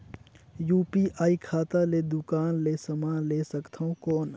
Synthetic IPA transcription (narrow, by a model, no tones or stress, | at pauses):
juːpiːʔʔaːikʰaːt̪aled̪ʊkaːnleːsɐmaːnleːsəkt̪ʰaõkɔːn